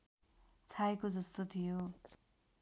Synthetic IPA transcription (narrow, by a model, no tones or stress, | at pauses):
t͡sʰaekod͡zʌst̪ot̪ʰijo